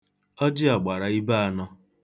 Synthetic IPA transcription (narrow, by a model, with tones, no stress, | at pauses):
ɔ˦d͡ʒɪ˦a˨ɡ͡ba˨ɾa˨i˦ba˦a˨nɔ˦